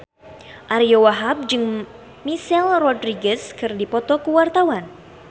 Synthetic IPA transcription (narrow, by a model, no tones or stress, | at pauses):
ʔaɾiowaɦab̚d͡ʒɨŋ | misɛlrɔdɾiɡɛskɨrdipɔt̪ɔkuwart̪awan